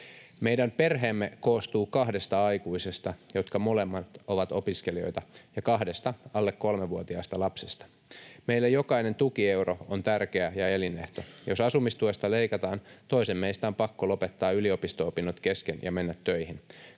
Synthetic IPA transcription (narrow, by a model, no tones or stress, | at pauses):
me̞jdæmpe̞rɦe̞ːmːeko̞ːst̪uːkɑhde̞st̪ɑɑjkuisest̪ɑjo̞t̪kɑmolemːɑt̪o̞ʋɑt̪o̞piskelio̞̰jt̪ɑjɑkɑɦde̞st̪ɑɑlːekːo̞lmeʋːuot̪iɑːst̪ɑlɑpsest̪ɑ̥ | meilːæjo̞kɑine̞nt̪uk̟ie̞wɾoont̪ærk̟eæjɑe̞line̞̰ht̪o̞jo̞sɑsumist̪uest̪ɑle̞ikɑt̪ɑːnt̪o̞isemme̞ist̪æompɑkːolo̞pet̪ːɑːyliopist̪oopinːot̪ke̞skenjʔɑ̰me̞nːæt̪ːø̞jhin